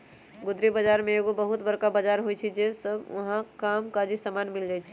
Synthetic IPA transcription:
ɡud̪ɾibəd͡ʒaɾmeeɡobəɦut̪bəɾkabad͡ʒaɾɦojt͡ʃʰid͡ʒesəbʋə̰ɦãkamkad͡ʒisamanmild͡ʒajt͡ʃʰi̥

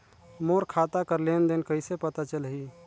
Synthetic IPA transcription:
moɾkʰat̪akəɾlend̪enkəɪsepət̪at͡ʃəlɦi

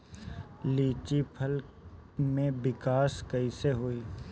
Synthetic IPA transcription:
liːt͡ʃipʰəl | mẽbɪkaːskɐiseɦoiː

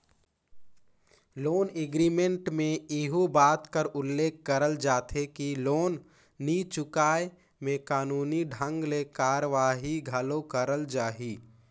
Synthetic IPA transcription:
loːneɡɾimẽɳʈmẽɪɦubaːt̪kəɾʊlːeːkːəɾəld͡ʒaːt̪ʰekiloːnː | it͡ʃʊkaːe | mẽkaːnuːniɖʱə̃ŋɡleːkaːɾʋaːɦiɡʱəlokəɾəld͡ʒaːɦiː

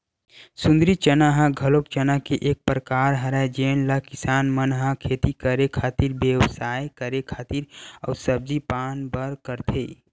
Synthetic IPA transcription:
sʊ̃nd̪ɾit͡ʃənaɦãɡʱɐlok̚t͡ʃənakeʔeːk̚pɾəkaːɾɦɐɾad͡ʒeːnlakɪsaːnmənɦãkʰeːt̪ikəɾekʰaːt̪iɾbjewsaːjkəɾekʰaːt̪iɾɔ̰ːɾsəb̚d͡ʒipaːnbəɾkəɾt̪ʰḛː

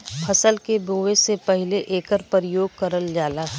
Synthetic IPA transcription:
pʰɐsəlkeboːʋesepɛɦleʔeːkəɾpəɾɪjoːɡ̚kɐɾəld͡ʒaːlaːɦ

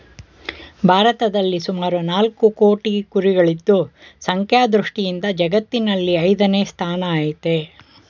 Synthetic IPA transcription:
bʱaːɾɐt̪ɐd̪ɐlːisumaːɾunaːlkukoːʈikuɾiɡɐɭid̪ːusɐŋkʰjaːd̪ɾuʂʈijind̪ɐd͡ʒɐɡɐt̪ːinɐlːiɐjd̪ɐneːst̪ʰaːnɐaːjit̪e

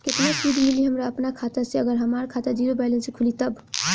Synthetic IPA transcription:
ket̪nasid̪ʱimiliɦəmɾaəpnakʰat̪aseəɡəɾɦəmaɾkʰat̪ad͡ʒiɾobalẽnsekʰulit̪əb

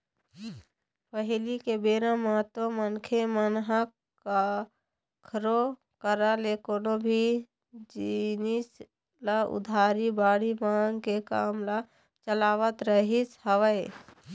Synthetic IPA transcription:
pəɦɪlikebeːɾãmat̪omənkʰemənɦak | ka | kʰɾo | kəɾaleːkonõbʱi | d͡ʒinis | laʊ̰d̪ʱaːɾibaːɽibãːŋɡkeka̰mla | t͡ʃəlaːʋət̪ɾəɦishəʋəe

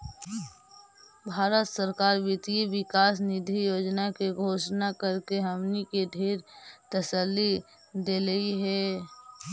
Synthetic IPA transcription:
bʱaːɾət̪səɾkaːɾʋɪt̪iiʋɪkaːs̬nɪd̪ʱijoːd͡ʒnakeɡʱoːʃnakəɾkeɦəmnikeɖʱeːɾt̪əsəlːi | d̪eːləiɦɛː

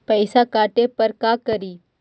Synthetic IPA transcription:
pəɪsakaːʈepɐɾkaːkəɾiː

